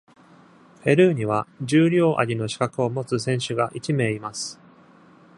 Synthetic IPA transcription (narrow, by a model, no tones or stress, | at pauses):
ɸe̞ɾɯ̟ːɲ̟iβ̞ad͡ʑɨːɾʲo̞ːʔa̰ɾʲino̞ɕi̥kakɯ̟o̞mo̞t͡sɨsẽ̞ɰ̃ɕɨɡaʔit͡ɕime̞ːimasɨ̥